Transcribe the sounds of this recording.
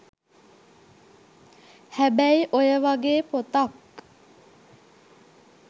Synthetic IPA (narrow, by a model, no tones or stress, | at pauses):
hæbæɪʔojɛʋɑːɡeːpʰoːt̪ɑk